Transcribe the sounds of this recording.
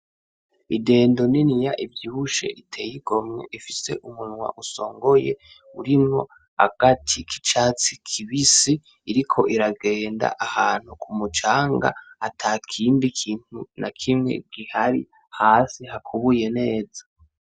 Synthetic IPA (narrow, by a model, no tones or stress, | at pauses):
ide̞ːndoninijaʔivjiβuʃe̞̰ʔitʰe̞jiɡo̞mŋeʔifise̞̰ʔumunŋwa̰ʔuso̞ːŋɡo̞jḛ | uɾimŋo̞ | a̰ɡ̥atʰikʰi̥t͡ʃaːt͡sikʰiβisiː | ɾikʰo̞ʔiɾaɡeːnda̰ʔahaːn̥hukʰumut͡ʃaːŋɡa̰atʰaːkʰiːmbikʰiːn̥hunʔakʰimŋe̞̰ɡ̥ihaɾḭ | haːsihakʰuβuje̞ne̞ːzḁ